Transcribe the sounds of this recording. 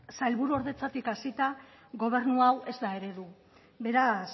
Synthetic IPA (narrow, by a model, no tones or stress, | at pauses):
sajlβuɾuo̞ɾðe̞t͡sat̪ikasit̪a | ɣo̞β̞e̞ɾnuawe̞zd̪ae̞ɾe̞ðu | be̞ɾas